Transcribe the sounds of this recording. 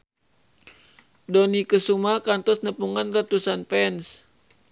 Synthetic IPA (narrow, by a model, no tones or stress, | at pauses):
dɔnikəsumakant̪ɔsnəpuŋanrat̪usanpɛns